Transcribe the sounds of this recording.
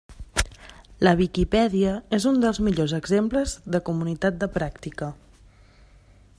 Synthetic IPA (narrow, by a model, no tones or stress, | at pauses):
ləβ̞ikipɛðiəezund̪əlˠzmiʎozəɡzempləzðəkumunit̪at̪̚d̪əpɾakt̪ikə